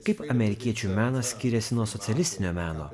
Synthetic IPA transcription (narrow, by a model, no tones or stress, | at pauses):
kɐɪpɐmʲɛɾʲɪkʲiɛt͡ʃʲumʲæːnɐsʲkʲɪɾʲɛsʲɪnuɔsɔt̪ʲɛlʲɪsʲt̪ʲɪnʲoːmʲæːno̰ː